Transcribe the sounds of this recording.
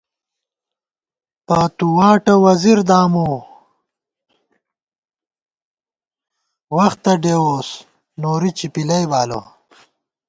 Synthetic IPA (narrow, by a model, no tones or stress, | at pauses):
pat̪uwaːʈɐwɐziɾd̪aːmoː | wɐxt̪ɐɖewoːs | noːɾit͡ɕipilɐjbaːlo̰